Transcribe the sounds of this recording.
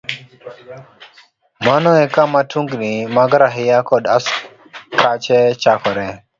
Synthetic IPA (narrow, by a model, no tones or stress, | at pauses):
manɔɛkamatʰuŋɡnimaɡɾaɦɪjakɔd̪as | kʰat͡ʃɛt͡ʃakɔɾɛ